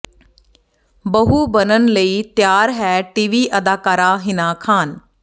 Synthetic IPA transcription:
bəɦuːbənənləiːt̪jaːɾɦɛːʈiːʋiːʔəd̪aːkaːɾaːɦɪnaːkʰaːn

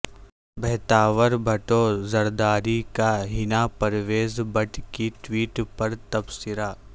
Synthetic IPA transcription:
bʱɛːt̪aːʋəɾbʱɐʈozɐɾd̪aːɾikaɦɪnaːpɐɾʋeːzbɐʈkiʈʋiːʈpɐɾt̪ɐbsɪɾaː

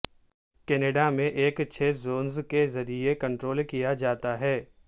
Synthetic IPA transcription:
kɛːneːɖamẽʔeːkt͡ʃʰeːzoːnzkezɐɾiekɐ̃ɳʈɾoːlkijad͡ʒaːt̪aɦɛː

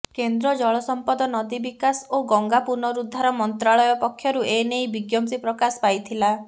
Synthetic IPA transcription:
kend̪ɾɔd͡ʒɔɭɔsɔmpɔd̪ɔnɔd̪ibikasoɡɔŋɡapuɾnɔɾud̪ʱːaɾɔmɔnt̪ɾaɭɔjɔpɔkʰːjɔɾuenejbiɡjɔmsipɾɔkasɔ̥pajt̪ʰila

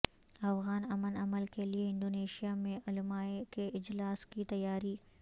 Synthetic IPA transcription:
ɐfɣaːnɐmənɐməlkelieɪ̃nd̪oːneːʃijamẽʔʊlmaːekeʔɪd͡ʒlaːskit̪ɐjːaːɾi

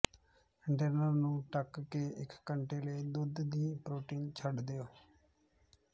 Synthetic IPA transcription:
ɪɳʈəɾnəɾnũːʈəkkeːɪkːəɳʈeːləːd̪ʊd̪d̪iːpɾoːʈiːnt͡ʃʰəɖd̪ejoː

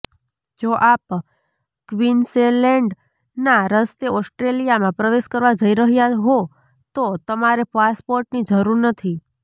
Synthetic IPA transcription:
d͡ʒoʔap | kʋinsenlɛ̃ɳɖ | naɾəst̪eɔsʈɾelijamãpɾəʋeʃkəɾʋad͡ʒəiɾəɦjaɦo | t̪ot̪əmaɾepaspoɾʈnid͡ʒəɾuɾnət̪ʰi

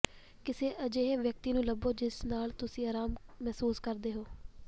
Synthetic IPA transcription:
kɪseːʔəd͡ʒeːʋjək̚t̪iːnũːləboːd͡ʒɪsnaːlt̪ʊsĩːaːɾaːmːɛɦsuːskəɾd̪eːɦoː

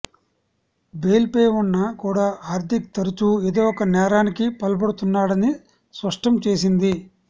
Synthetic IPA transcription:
beːlpeːʋunːɐkuːɽaːʔaːɾt̪ʰikt̪ɐɾut͡ʃued̪eːɔkɐnɛːɾaːnikipɐlɐp̬ɐɽut̪unːaːɽɐni | spɐʂʈɐmt͡ʃe̞ːsind̪i

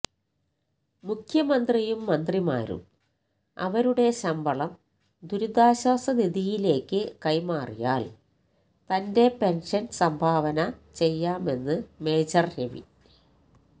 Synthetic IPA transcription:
mukʰjɐmɐnd̪rijumːɐnd̪rima̰ːɾṵm | ɐ̰ʋɐɾuɽe̞ɕɐmbʱɐɭɐm | d̪uɾud̪aːɕɐːsɐd̪iðijile̞ːkːɨkɐjmaːrijaːl | t̪ɐnde̞pe̞nʂɐnsɐmbʱaːʋɐnɐt͡ɕe̞jːaːme̞nːɨme̞ːd͡ʑɐrɾeʋḭ

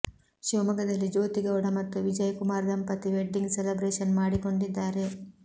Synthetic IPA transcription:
ʃiʋmɐɡɐd̪ɐlːid͡ʒoːt̪iɡɐwuɽɐmɐt̪ːuʋid͡ʒɐjɐkumaːɾd̪ɐmpɐt̪iʋeɖːiŋɡselɐbɾeːʃɐnmaːɽiko̞ɳɖid̪ːaːɾe̞

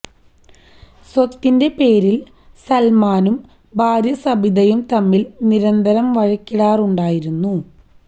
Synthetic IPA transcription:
sot̪ːinde̞pe̞ːɾil | sɐlmaːnum | bʱaːɾjɐsɐbʱiðɐjumt̪ɐmːilniɾɐnd̪ʱɐɾɐmʋɐɻɐkʲːiɽaːruɳɖaːjiɾunːu

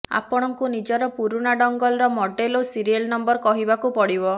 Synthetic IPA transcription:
a̰pɔɽ̃ɔŋkunid͡ʒɔɾɔpuɾuɽaɖɔŋɡɔlɾɔmɔɖelosiɾielnɔmbɔɾkɔɦibakupɔɽibɔ

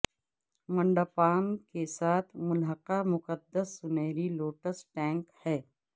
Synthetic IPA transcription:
mɐ̃ɳɖaːpaːnkesaːt̪ʰmʊlɦəqamʊqəd̪ːəsːʊnɛːɾiloːʈəsʈɛ̃ːŋkhɛː

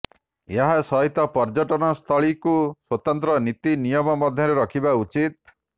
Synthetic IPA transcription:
eɦasɔɦit̪ɔpɔɾd͡ʒɔʈɔnɔst̪ʰɔɭikuswɔt̪ɔnt̪ɾɔnit̪inijɔmɔmɔd̪ʱjɔɾeɾɔkʰibaut͡ʃit̪̚

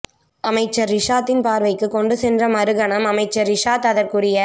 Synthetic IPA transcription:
ɐmɐɪt͡ʃːɐɾːɪʂaːt̪ːɪnpaːɾʋɐɪkːɯkɔɳɖɯsɛndrɐmɐɾɯɣɐɳɐmɐmɐɪt͡ʃːɐɾːɪʂaːt̪ɐðɐrkuɽɪjɐ

